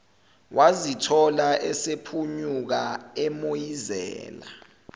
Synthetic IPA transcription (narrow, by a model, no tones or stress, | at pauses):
wʔazitʰɔlaʔɛsepʰuɲuk̬aɛmojizɛ̰ːla̰